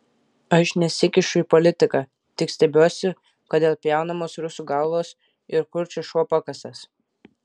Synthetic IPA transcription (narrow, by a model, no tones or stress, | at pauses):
ɐʃnʲɛsʲɪkʲɪʃʊipɔlʲɪt̪ʲɪkɑ | t̪ʲɪksʲt̪ʲɛbʲuɔsʲɪ | kɐd̪ʲeːlˠpʲjɛˑʊnɐmoːsɾʊsʲuːɡɐlˠʋoːs | ɪɾkʊɾʲt͡ʃʲɛʃoːpɐkɐsʲɐs